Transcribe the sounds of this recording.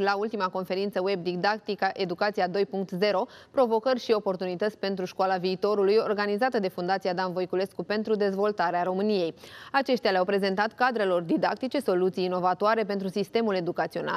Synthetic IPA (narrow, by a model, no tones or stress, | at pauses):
lault̪imako̞nfe̞ɾint̪səweb̚d̪iɡd̪ak̚t̪ikəʔe̞d̪ukat̪sijad̪o̞jpuŋk̚t̪ze̞ɾo̞pɾo̞vo̞kərʲʃio̞po̞rt̪unit̪ət̪sʲpe̞nt̪ɾuʃkoalaviːt̪o̞ɾulujo̞rɡanizat̪əd̪e̞fund̪at̪sijad̪anvo̞jkule̞skupe̞nt̪ɾud̪e̞zvo̞lt̪aɾeaɾo̞mɨnije̞jat͡ʃe̞ʃt̪ealeawpɾe̞ze̞nt̪at̪kad̪ɾe̞lo̞rd̪id̪ak̚t̪it͡ʃe̞so̞lut̪sijːno̞vat̪oaɾe̞pe̞nt̪ɾusist̪e̞mule̞d̪ukat̪sio̞̰na̰